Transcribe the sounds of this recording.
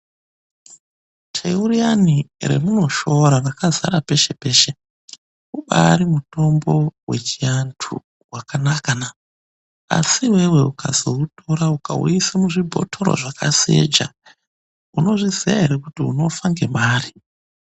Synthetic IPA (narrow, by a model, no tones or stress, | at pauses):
tʰeurianire̞̰muno̞ʃo̞ɾarakaza̰ɾape̞ʃe̞pe̞ːʃe | uɓaɾimuto̞mbo̞we̞t͡ʃijantʰṵ | wakanakana | a̰siwe̞we̞ukʰazo̞uto̞ɾauka̰ṵisamuʐibʱo̞̰tʰo̞ɾo̰ʐakʰa̰sie̞̰d͡ʒa̰ | uno̞ʐizia̰ɦe̞ɾe̞kutiuno̞faŋɡe̞maːri